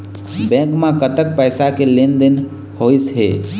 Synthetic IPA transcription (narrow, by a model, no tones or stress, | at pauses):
bɛ̃ːkmãkət̪ək̚pɛːsakelend̪ɪn | hoːisɦḛː